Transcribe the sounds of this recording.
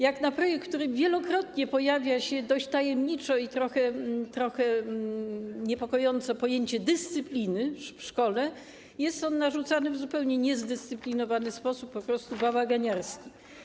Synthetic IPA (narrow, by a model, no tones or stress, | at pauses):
jaknapɾɔjɛkk̪ːt̪uɾɘvʲjɛlɔkɾɔt̪ɲɛpɔjavʲjaɕɛd̪ɔɕt͡ɕt̪ajɛmɲit͡ʂɔit̪ɾɔxɛt̪ɾɔxɛ | ɲɛpɔkɔjɔnt̪sɔpɔjeɲt͡ɕɛd̪ɘst̪sɘplʲinɘfʂkɔlɛ | jɛst̪ɔnːaʐut̪sanɘvzupɛwɲɛɲɛzd̪ɛst̪sɘplʲinɔvanɘspɔsupːɔpɾɔst̪ubavaɡaɲaɾskʲi